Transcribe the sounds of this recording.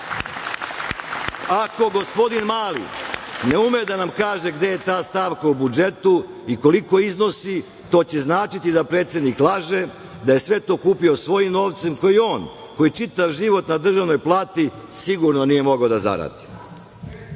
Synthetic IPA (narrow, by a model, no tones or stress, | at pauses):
ako̞ɡo̞spo̞d̪inmaːlḭne̞umed̪anamkaːʒe̞ɡd̪e̞je̞t̪aːst̪aːʋkaubud͡ʒe̞t̪u | iko̞liko̞izno̞si | t̪o̞ːt͡ɕe̞znaːt͡ʃit̪id̪apɾet̪sje̞d̪niklˠaʒe̞ | d̪aje̞sʋe̞t̪o̞ːkuːpio̞sʋo̞jimno̞ːʋt̪se̞mko̞jio̞ːn | ko̞jit͡ʃit̪aʋʒiʋo̞t̪nad̪r̩ʒaʋno̞jplˠaːt̪i | siɡuɾnonije̞mo̞ɡaod̪aza̰ɾa̰d̪̥i̥